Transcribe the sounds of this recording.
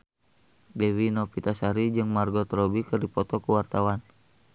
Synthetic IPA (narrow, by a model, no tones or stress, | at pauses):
dɛwinɔpit̪asaɾid͡ʒɨŋmarɡɔt̪ɾɔbikɨrdipɔt̪ɔkuwart̪awan